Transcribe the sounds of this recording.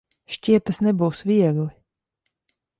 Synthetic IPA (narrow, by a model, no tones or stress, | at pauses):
ʃcʲiɛt̪ːasnɛbuwsvʲiɛɡlˠi